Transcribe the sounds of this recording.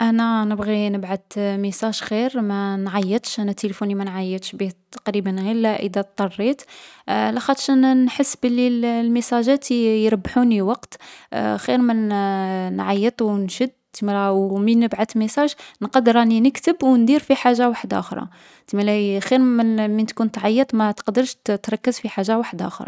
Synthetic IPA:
ʔænænəbɣinəbʕat̪məsˤɑʒxiɾmænʕɑjːət̪ˤʃʔænæt̪ːelfunimænʕɑjːət̪ˤʃbit̪ːɑ̥qɾibənɣilːæʔə̰d̪æt̪ˤːɑrˤːit̪læxɑt̪ˤʃʔænnħəsːbəlːillməsˤæʒæt̪ijɾɑbːħuniwɑqt̪xiɾmənnʕajːət̪ˤwnʃəd̪̚t̪mɾæwmənːəbʕat̪məsɑʒnqɑd̪ɾˤɑninəkt̪əbwnd̪iɾfiħaʒːawaħəd̪ʔa̰xɾˤɑ̰ | t̪milæxiɾmənmənt̪kunt̪ʕajːət̪ˤmæt̪qd̪əɾʃt̪ɾˤɑkːəzfiħaʒːawaħəd̪ʔæ̰xɾˤɑ̰

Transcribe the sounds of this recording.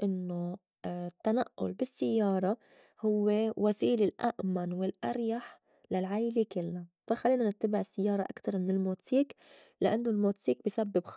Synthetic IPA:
ʔɪnːo | t̪ːanaʔːʊ̰lbɪsːɪjːɑːɾˤɑ | hʊwːewasiːlɪlʔa̰ʔmanwɪlʔaɾjaħ | lalʕajlekɪlːafaxalːiːnanɪt̪ːabɪʕɪsːɪjːɑːɾˤɑʔa̰kt̪ɑɾˤmɪnɪlmuːt̪siːk | lɪʔanːolmuːt̪siːk̚bjsabːɪbx

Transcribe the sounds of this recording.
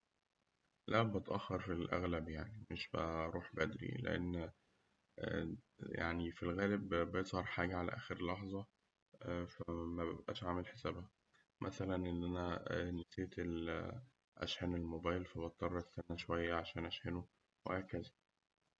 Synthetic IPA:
læbet̪ʔæxːɑɾˤfilʔæ̰ɣlæbjaʕnimeʃbæɾˤuːħbæd̪ɾḭlḛʔḛnː | ja̰ʕnifilɣæːlebbejezˤhɑɾˤħaːɡæʕalæ̰ʔæ̰ːxeɾlɑħzˤɑ | fæmæbæbʔæ̰ːʃʕaːmelħesæːbhæ | mʔæsælænʔenːʔænæneseːt̪el | ʔæ̰ʃħæːnelmobæːjlfæbɑt̪ˤːɑrˤːɑt̪sænːæʃowæjːæʕaʃæːnʔæʃħeno | wehæːkæzæ

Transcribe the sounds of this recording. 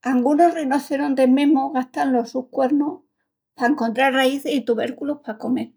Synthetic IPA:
aŋɡunorenoθeɾond̪emẽ̞mo̞ɣaht̪anlo̞suhkwe̞ɾno | paeŋko̞nt̪ɾaraiθesit̪uβ̞e̞ɾkulohpako̞me̞ɾ

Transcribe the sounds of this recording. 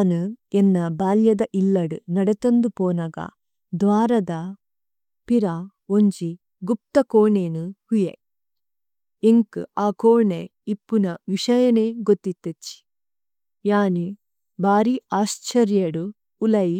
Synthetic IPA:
nuɛnːɐbaːljɐd̪ɐʔilːɐɽunɐɽɐt̪ɐnd̪upoːnaɡɐ̰ | d̪ʋaːɾɐd̪ɐ | piɾa | oɲd͡ʒi | ɡup̚t̪ɐkoːɳeːnuhujḛ | eŋkɨ̰aːkoːɳe | ipːunɐʋiʂɐjɐneːɡot̪ːit̪ːet͡ʃːi̥ | jaːni | bʱaːɾiaːst͡ʃɐɾjɐɽuː | lɐji

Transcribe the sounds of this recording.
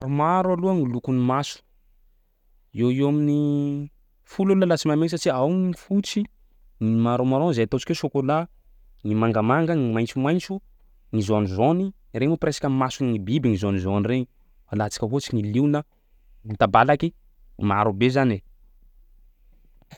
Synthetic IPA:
rumaɾaluəŋilukunimasu̥ | ewewamini | fulaluəlat͡simamesaʈ͡ʂiawŋiifut͡si | nimaɾomaɾõzaat̪ot͡ʃi̥kʲosokola | ŋimaŋɡəmaŋɡəŋimajnt͡sumajnt͡su | ŋizonizoni | ɾemupresḁkʲəmasunŋibibiŋizonizonireŋi | alat͡si̥kʲəvot͡siŋiliwnə | ŋit̪abalakʲi | maɾubezane

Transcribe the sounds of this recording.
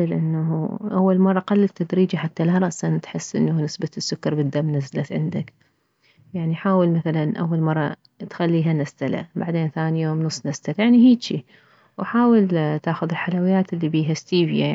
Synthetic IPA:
ɪlʔɪnːaɦuʔawːalmɑrˤːɑqalːɪt̪ːad̪ɾiːd͡ʒaħat̪ːalaɾˤɑʔsant̪ħɪsːʔɪ̰nːaunɪsbasːʊkːɑɾˤbɪd̪ːamːnazːlat̪ʕɪ̰nd̪ak | jaʕniħaːwɪlmaθalanʔa̰wːalmɑrˤːɑ̰ | t̪xalːiːɦanast̪ala̰baʕd̪eːnθaːnijoːmnʊsˤːnast̪aljaʕniɦiːdt͡ʃi | waħaːwɪlt̪aːxʊðɪlħalawɪjːaːt̪ʔɪlːibiːɦast̪iːvja

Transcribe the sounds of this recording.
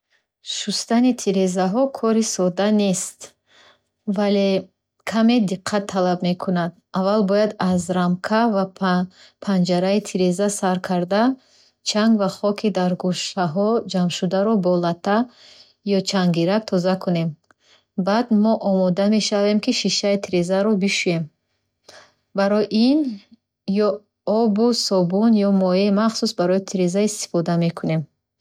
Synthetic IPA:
ʃust̪anit̪ʰiɾezaɦɔkʰɔɾisɔd̪ane̞st̪ | vale̞ | kʰame̞d̪iqʰːat̪ʰːalabme̞kʰunad̪̚ | avalbɔjad̪azɾamkʰava | pʰand͡ʒaɾait̪ʰiɾezasaɾkʰaɾd̪a | t͡ʃʰaŋɡvaχɔkʰid̪aɾɡuʃaɦɔd͡ʒamʃud̪aɾɔbɔlat̪ʰa | jɔt͡ʃʰaŋɡiɾak̚t̪ʰɔzakʰune̞m | bad̪mɔʔɔmɔd̪ame̞ʃave̞mkʰiʃiʃait̪ʰiɾe̞zaɾɔbiʃuje̞m | baɾɔjʔin | jɔ | ɔbusɔbunjɔmɔemaχsusbaɾɔjit̪ʰiɾezaist̪i̥fɔd̪ame̞kʰune̞m

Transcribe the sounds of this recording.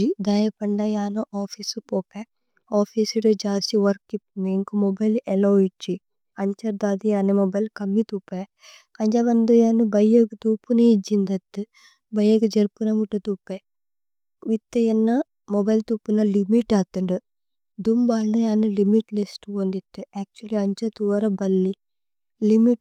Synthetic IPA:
id̪ajɐpɐɳːɐjaːnuʔaːpʰisupoːpe | aːpʰiːsiɽud͡ʒaːsiʋɐɾkːipmeːŋkumɔbɐjlɛloit͡ʃːi | ɐɲt͡ʃɐɾd̪aːd̪ijaːnemɔbɐjlkɐmːit̪uːpːe | kɐɲd͡ʒaːbɐnd̪ujaːnubɐjːɐɡut̪uːpuneid͡ʒind̪ɐt̪ːɨ | bɐjeɡud͡ʒeɾpunɐmuʈːut̪upːe | ʋit̪ːejɐnːɐ | mɔbɐjlt̪upːunɐlimiʈːaːt̪ːɐɳɖɨ | d̪umbaːlnɐjaːnulimiʈlesʈoːnd̪it̪ːeɛːk̚t͡ʃuɐliɐɲt͡ʃɐt̪uʋɐɾɐbɐlːi | limiʈ

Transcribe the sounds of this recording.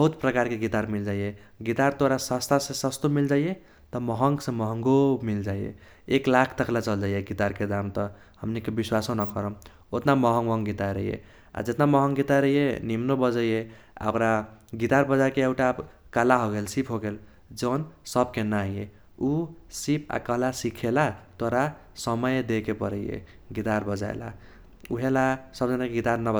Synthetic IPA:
bbʌɦut̪pɾəkaɾkeɡit̪aɾmild͡ʒajeɡit̪aɾt̪oɾasast̪ʰasẽsəst̪omild͡ʒaje | t̪ʌmɔɦəŋɡsẽmɔɦəŋɡomild͡ʒaijḛ | eklakʰt̪əklat͡ʃəld͡ʒajeɡit̪aɾked̪amt̪ʌ | həmnikebiswasõnəkəɾə̃ | ot̪namɔɦəŋmɔŋɡit̪aɾə̰jḛ | a̰d͡ʒet̪namʌɦəŋɡit̪aɾəjenimnobəd͡ʒəje | a̰ɔkɾaɡit̪aɾbʌd͡ʒakeewʈakalaɦoɡelsipʰɦoɡel | d͡ʒʌnsʌbkenaɦije | usipʰa̰kalasikʰelat̪oɾa | sʌmʌjd̪ekepʌɾəjḛ | ɡit̪aɾbʌd͡ʒa̰ḛla̰ | uɦelasʌbd͡ʒʌnakeɡit̪aɾnʌb

